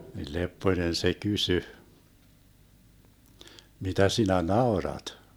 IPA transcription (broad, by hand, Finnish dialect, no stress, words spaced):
nil lepːoĭnen se kysy mitæ sinæ nɑorɑt